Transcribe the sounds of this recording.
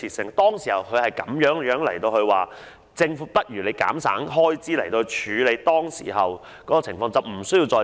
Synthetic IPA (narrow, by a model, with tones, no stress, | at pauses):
iː˨˩sɪ˨˩ŋt̪ɔː˥ŋsiː˨˩hɐ˨˩wkʰɵ˨˧ɥhɐ˨jkɐ˨˥mjœː˨˥ŋjœː˨˥ŋlɐ˨˩jt̪o˧whɵ˧ɥwaː˨˩ | t͡sɪ˧ŋfuː˨˦˥pɐ˥t̚jyː˨˩le˨˧jka̰ː˨˥msa̰ː˨˥ŋɦɔː˥jt͡siː˥lɐ˨˩jt̪o˧wht͡ʃʰyː˨˧le˨˧jt̪ɔː˥ŋsḭː˨˩ɦɐ˨w | kɔː˨˥kɔː˨˧t͡sʰɪ˨˩ŋfɔː˧ŋt͡sɐ˨wm̩˨˩sɵ˥ji˧wt͡sɔː˧